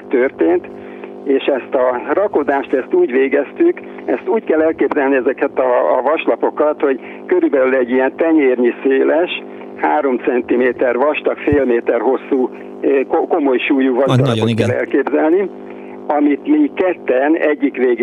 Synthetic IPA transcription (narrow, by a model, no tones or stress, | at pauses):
t̪ørt̪eːnt̪ | eːʃɛst̪ɒrɒko̞d̪aːʃt̪ɛst̪uːɟʋeːɡɛst̪yk | ɛst̪uːckɛlːɛlkeːbzɛlniɛzɛkɛt̪ɒ̰ːvɒʃlɒpo̞kɒt̪ho̞ɟ | køɾybɛlylɛɟːiɛnt̪ɛɲeːrɲiseːlɛʃ | haːɾo̞mt̪sɛnt̪imeːt̪ɛrʋɒʃt̪ɒkfeːlmeːt̪ɛrɦo̞sːuː | koko̞mo̞jʃuːjuvɒʒd̪ɒɾɒbot̪kɛlːɛ̰lkeːbzɛlni | ɒmit̪mikɛt̪ːɛnɛɟːikʋeːɡ